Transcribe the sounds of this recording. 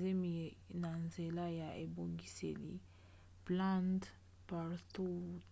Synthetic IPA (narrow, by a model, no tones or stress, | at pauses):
zemienanzelajaʔeboŋɡisḛlḭ | plãnt̪ | paɾt̪u